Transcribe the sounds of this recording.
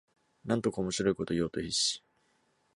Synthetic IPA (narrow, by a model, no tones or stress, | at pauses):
nãnt̪o̞kaomo̞ɕiɾo̞iko̞t̪o̞jo̞ːt̪o̞çiɕi̥